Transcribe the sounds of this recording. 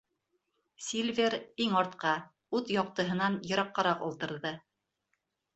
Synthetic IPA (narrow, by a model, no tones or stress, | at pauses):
sʲilʲvʲeɾiŋɑɾt̪qɑ | ʉðjɑqt̪ɤ̆ɦɤ̆nɑnjɤ̆ɾɑqːɑɾɑqŏ̰lˠt̪ɤ̆ɾðɤ